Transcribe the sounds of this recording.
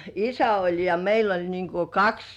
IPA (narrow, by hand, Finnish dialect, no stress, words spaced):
isæ olʲ jɑ meil olʲ niːŋ ku kɑks